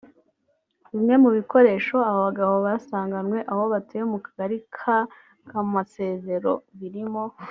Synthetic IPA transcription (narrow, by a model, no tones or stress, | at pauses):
βimŋe̞muβiko̞ɾe̞ːʃo̞aaβaɡaβoβasaːŋɡanwe̞ʔaho̞βatejmukḁɡaɾikʰa | kamase̞ːze̞ɾo̞βiɾimo̞